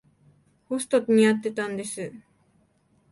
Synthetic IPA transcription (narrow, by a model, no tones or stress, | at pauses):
host̪ot̪ɲ̟ijat̪ːe̞t̪ãnd̪e̞sɨ